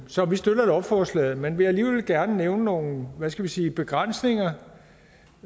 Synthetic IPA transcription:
sɒ̽ʋisd̥øɾ̥ɐeɾɒb̥fɒːslɛ̰ːð̩ˠmenʋe̝jɑ̈æliːʋelɡ̥æɐnəneʊnəno̝ːn̩ʋæsɡ̥æʋisiːb̥e̝ɡ̥ʁan̰sne̝ŋɐ

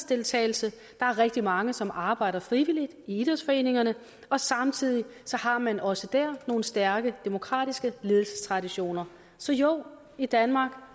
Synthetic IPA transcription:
sd̥e̝lt͡sʰɛ̰ːɪl̩sə | d̥ɑ̈æɐʁɛɡ̥d̥imɑ̈ŋəsɒ̽mʔɑ̈ːb̥ɑ̈ɪ̰ɾ̥ɐfʁiʋilid̥iid̥ˠʁɐsfɒ̽e̝ːne̝ŋɐnə | ɒ̽sɑ̈mt͡sʰið̞̰ˠisɒ̽hɑ̈mænʔɒ̽səd̥æɐ̰no̝ːn̩sd̥æɐɡ̥əd̥e̝mo̝kʰʁɑ̰̈ːd̥isɡ̥əleːðˠl̩sə̥st͡sʰʁɑ̈diɕo̝̰ːnɐ | sɒ̽joʊ̰ | id̥ænmɑ̈ːɡ̥

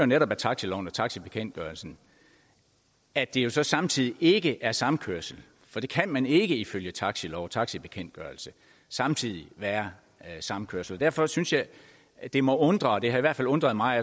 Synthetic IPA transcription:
joneɾɒ̽b̥æt͡sʰɑ̈ɡ̥silɒʊ̰n̩ɒt͡sʰɑ̈ɡ̥sib̥e̝kʰen̰d̥̚ɡ̥ɶːɐlsn̩ | æd̥e̝jo̝sɒ̽sɑ̈mt͡sʰið̰ˠiʔe̝ɡ̥əʔæɐsɑ̈mkʰøɐsl̩ | fɒ̽d̥e̝kʰænmæne̝ɡ̥əiføljət͡sʰɑ̈ɡ̥silɒʊt͡sʰɑ̈ɡ̥sib̥e̝kʰen̰d̥ɡ̥ɶɐlsə | sɑ̈mt͡sʰið̞̰ˠiʋæːɐ | sɑ̈məkʰøɐ̰sl̩ɒ̽d̥æɐ̰fɒ̽synsjɑ̈ɪ | d̥e̝mɒ̽ʔɔ̽nd̥ʁɐd̥e̝hɑ̈iʋæɐ̰̥fælɔ̽nd̥ʁɐð̞̩ˠmɑ̈ɪæ

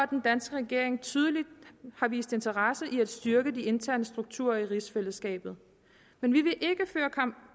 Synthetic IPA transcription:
æd̥end̥ænsɡ̥əʁɛɡ̥e̝ɐ̰e̝ŋt͡sʰyð̞ˠəlid̥hɑ̈ʋḭːsd̥e̝nt͡sʰɐʁɑsəʔiæd̥sd̥yɐɡ̥əd̥ie̝nt͡sʰæɐ̰nəsd̥ʁuɡ̥̚t͡sʰṵɐiʁisfeləsɡ̥ɛ̰ːb̥ð̞̩ˠ | menʋiʋe̝ʔe̝ɡ̥əføːɐkʰɑ̈m̰b̥

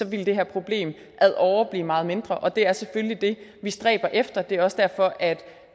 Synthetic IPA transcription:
sɒ̽ʋild̥e̝ɦæɐpʰʁo̝b̥le̝̰ːm | ʔæðˠʔɒʊɐb̥lḭːmɑ̈ːð̩ˠme̝nd̥ʁɐʔɒ̽d̥e̝æɐseføllid̥e̝ʋisd̥ʁɛ̰ːb̥ɐʔefd̥ɐd̥e̝æɐɒ̽sd̥æɐ̰fɒ̽ʔæd̥

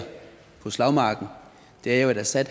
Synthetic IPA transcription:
pʰɔ̽slɑ̈ʊmɑ̈ːɡ̥n̩ | d̥e̝æɐjo̝æɾ̥æsæd̥

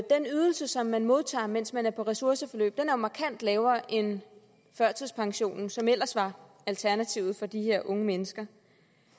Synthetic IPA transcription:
d̥enyð̞ˠl̩səsɒ̽mːænmo̝ð̞ˠt͡sʰɑ̰̈ːmen̰smænæɐpʰɒ̽ʁɛsuɐsəfɒ̽lø̰ːb̥̚d̥enæɐjo̝mɑ̈kʰæn̰d̥lɛːʊɐʔe̝n | fɶɐ̰t͡sʰðˠspʰɑ̈ŋɕo̝̰ːnsɒ̽mel̰ɐsʋɑ̈ | ælt͡sʰæɐnæt͡sʰiʊð̩ˠfɒ̽d̥ihe̝ɐ̰ʔɔ̽ŋəmenəsɡ̥ɐ

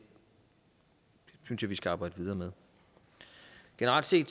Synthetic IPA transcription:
syn̰sjäʋisɡ̥æɑ̈ːb̥ɑ̈ɪd̥əʋið̞ˠɐːmeð̞ˠ | ɡ̥e̝nəʁɑ̰l̰d̥se̝̰ːd̥

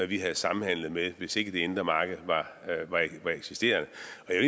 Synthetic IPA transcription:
æʋiɦæð̞̩ˠsɑ̈mn̩hæn̰lð̞̩ˠmeʋe̝se̝ɡ̥əd̥e̝e̝nd̥ʁɐmɑ̈ːɡ̥ð̩ˠʋɑ̈ʋɑ̈ʋɑ̈eɡ̥sisd̥e̝̰ːɐnəɒ̽æe

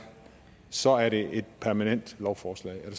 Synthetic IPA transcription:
sɒ̽æɐɾe̝e̝d̥̚pʰæɐmænen̰d̥lɒʊfɒːslɛ̰ːɪæɐd̥es

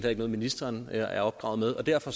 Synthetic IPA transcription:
d̥hæeɡ̥nɔːð̩ˠminisd̥ɐːnelɐʔæɐɒ̽b̥̚ɡ̥ʁɑ̈ʊð̩ˠmeð̞ˠɒ̽d̥æɐ̰fɒ̽s

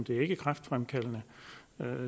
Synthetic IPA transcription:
nd̥e̝æɐe̝ɡ̥əkʰʁafd̥fʁamkʰæl̰nə

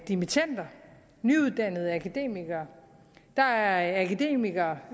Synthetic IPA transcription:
d̥imit͡sʰæn̰d̥ɐ | nyuðˠd̥æn̰ð̞̩ˠækʰæd̥e̝̰ːmiɡ̥ɐː | d̥ɑ̈æɐækʰæd̥e̝̰ːmiɡ̥ɐː

